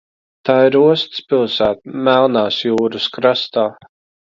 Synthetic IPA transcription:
t̪aːiɾuɔst̪spilˠsæːt̪mælˠnaːsjuːɾuskɾast̪aː

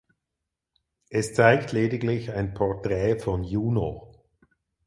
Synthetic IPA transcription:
ʔɛst͡saɪktʰleːdɪɡlɪçaɪnpʰɔɐtʁɛːfɔnjuːno

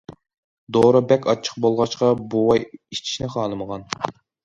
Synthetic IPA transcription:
d̪oɾɨbɛkʲʰɑt͡ʃʰːə̥q̚bolˠʁɑʃqɑbuwɑjit͡ʃʰi̥ʃnɪχɑːlˠɨməʁɑn

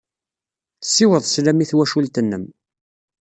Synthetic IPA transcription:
θə̥sːɪwəðˤslæmiθwæʃult̪ənːəm

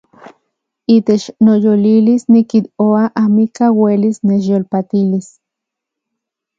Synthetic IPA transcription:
it̪et͡ʃnojolilisnikit̪oaʔamikawelisnet͡ʃjolpat̪ilis

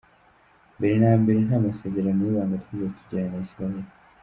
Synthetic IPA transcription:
mbiɾinambiɾinhamaseɟeɾaniβaːŋɡat̪izetʰu̥ɟaɲenaisɾaeli

